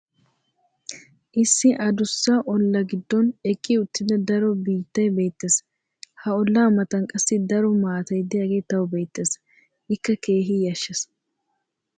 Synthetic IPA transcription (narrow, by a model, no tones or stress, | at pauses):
ʔɪsːɪʔɐd̪ʊsːaʔɔlːɐɡɪd̪ːɔnɛkʼːiʊt̪ːɪd̪ɐd̪ɐɾɔbiːt̪ːɐjbe̞ːt̪ːes | hɐɔlːaːmɐt̪ɐnkʼɐsːɪd̪ɐɾɔmaːt̪ɐjd̪ɛjaɡeːt̪ɐwbe̞ːt̪ːeːs | ʔɪkːɐke̞ːɦijɐʃːɐs